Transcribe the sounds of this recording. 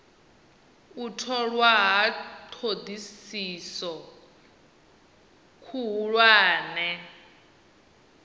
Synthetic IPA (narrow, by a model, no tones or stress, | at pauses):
utʰɔɺwaɦatʰod̪isisɔ | kʰuɦuɺwaːnɛ